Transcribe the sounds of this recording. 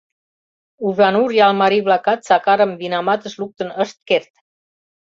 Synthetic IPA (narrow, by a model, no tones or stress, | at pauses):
uʒɑnuɾjɑlmɑɾiβlɑkɑt̪sɑkɑɾəmvinɑmɑt̪ə̆ʃluk̚t̪ənəʃt̪̚kert̪